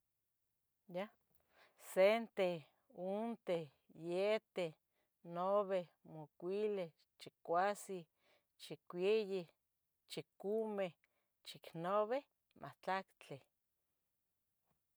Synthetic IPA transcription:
ja | sent̪e | unt̪e | jet̪e | noβehmukʷile | t͡ʃikʷasi | t͡ʃikʷeji | t͡ʃikumeh | t͡ʃiknoβeh | mʔa̰t͡ɬakt͡ɬe

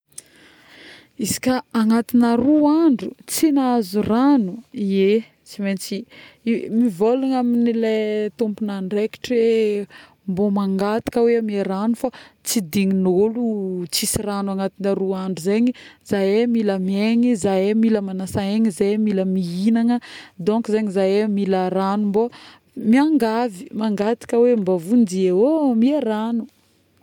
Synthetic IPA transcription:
isi̥kʲaaŋat̪inaruaɳɖ͡ʐut͡sinazuranuie | t͡siment͡si | mivolaŋaminilet̪umpunaɳɖ͡ʐeki̥ʈ͡ʂe | mbomaŋɡat̪i̥kəweamieɾanufat͡sid̪iŋinolut͡sisiranwaŋat̪inaɾuaɳɖ͡ʐizeɲizajemiləmieɲizajemiləmanasaeɲizemiləmiinaŋəd̪õŋkizeɲizajemilaɾanumbo | miaŋɡavi̥maŋɡat̪i̥kəwembavundiewomieɾanu

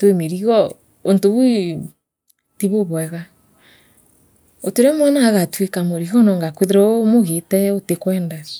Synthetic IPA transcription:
twemeɾiɣɔ | ontoβwi | tiβoβwɛɣa | oteɾemwɛnaɣatwekamoɾiɣɔnɔŋɡakweðeɾɔmoɣetɛotekwɛːndas

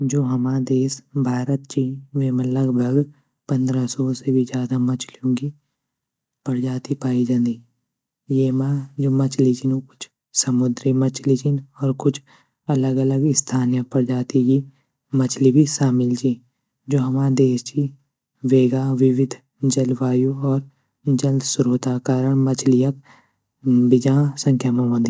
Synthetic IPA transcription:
d͡ʒoːɦɐmad̪eːsbʱaːɾət̪̚t͡ʃiʋeːmə̃ləɡbʱəɡ | pɐ̃nd̪ɾasɔːsebʱid͡ʒjaːd̪amɐt͡ʃlijõki | pəɾd͡ʒaːt̪ipaːid͡ʒãːnd̪i | jeːmad͡ʒoːmɐt͡ʃlid͡ʒinõkʊt͡ʃʰ | sɐmʊd̪ɾimɐt͡ʃlit͡ʃʰinɔːɾkʊt͡ʃʰ | ɐləɡələɡɪst̪ʰaːnijəpəɾd͡ʒaːt̪iki | mɐt͡ʃʰlibʱiʃaːmɪld͡ʒi | d͡ʒoːɦɐmãd̪eːst͡ʃi | ʋeːɡaʋɪʋɪd̪ʱ | d͡ʒɐlʋaːjuɔːɾ | d͡ʒəld̪sʊɾoːt̪akaːɾəɽ̃mɐt͡ʃʰlijək̚ | bɪd͡ʒãsə̃ŋkʰjamãʋə̃nd̪i

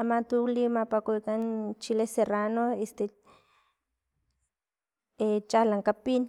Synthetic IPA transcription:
amat̪ulimapakʷikant͡ʃileseranoest̪e | et͡ʃalaŋkapin

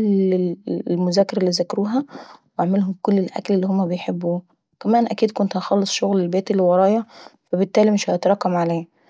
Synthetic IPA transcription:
l | lmʊzæːkeɾelːiːzækɑɾuːɦæweʕmelɦomkolːelʔæ̰klelːiːhomːæbejħebːuː | kæmæːnʔækiːd̪kont̪hæxɑlːesˤʃoɣlelbæːt̪elːwɑɾˤɑːjɑfæbet̪ːæːlimeʃhæt̪ɾˤɑːkːɑmʕalæː

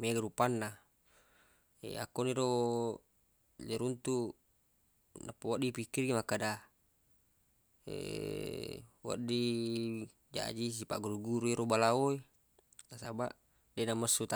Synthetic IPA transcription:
meɡaɾupanːa | ḛa̰kːoniɾo | leɾunt̪u | napːawaʔdipikːirɡimakːada | ḛ | wa̰ʔdi | d͡ʒa̰d͡ʒis̬ipaʔɡuɾuɡuɾuiɾobalaoe | lasaba̰ʔ | denaməsːut̪a

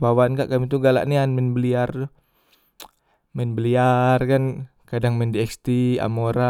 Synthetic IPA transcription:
bawankaʔkamit̪uɡala̰ʔnianmɛnbəliart̪ʊ | mɛnbəliarkan | kadaŋmɛndiɛkst̪ia̰moɾa

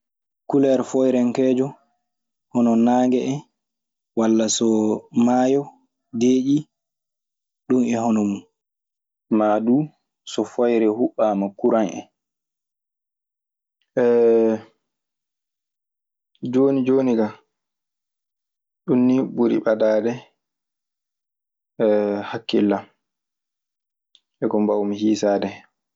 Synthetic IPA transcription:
kulɛɾfɔjɾɛŋkɛːd͡ʒɔ | hɔnɔnaːŋɡɛɛ | walːasɔmaːjɔ | deːʔi | ɗumɛhɔnɔmun | madu | sɔfɔjɾɛhuɓːamakuɾanʔɛ̰ | ʔɛ | d͡ʒoːnid͡ʒoːniɡa | ɗunːibuɾḭɓadaːdɛ | ɛhakːilːam | ʔɛkɔmbawmihiːsaːdɛ

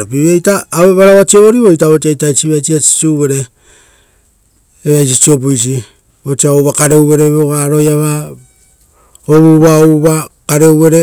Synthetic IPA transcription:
ɾopiβiejtaːβeβaɾaβat͡ʃieβo̞ɾiβojtaβot͡ʃiajtajt͡ʃiβajt͡ʃiasi̥t͡ʃuβe̞ɾe̞ | eβajs̬it͡ʃio̞p̬ujs̬i | βot͡ʃiaowβakaɾe̞uwβe̞ɾeβeoɡaɾo̞jaβa | oβuβaoβakaɾe̞uβe̞ɾe

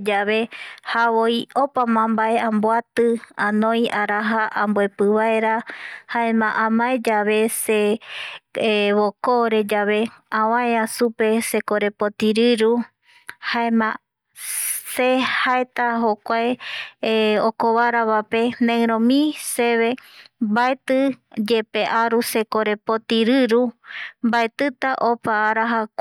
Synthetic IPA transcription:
d͡ʒaβe̞haβoiopamãmbaʔe̞ãmboat̪ɨãnõj̃aɾaɦaʔãmboe̞pɨβae̞ɾahaemãʔãmaed͡ʒaβe̞se | βokoɾe̞d͡ʒaβe̞ãwãeasupe̞se̞koɾe̞pot̪iɾɨɾu | haemã | sehaet̪aɦokʷae | okoβaɾaβape̞nẽɾõmĩse̞βe̞baet̪ɨd͡ʒe̞pe̞ʔaɾuse̞koɾe̞pot̪iɾɨɾumbaet̪ɨt̪aʔopaːɾaɦakʷ

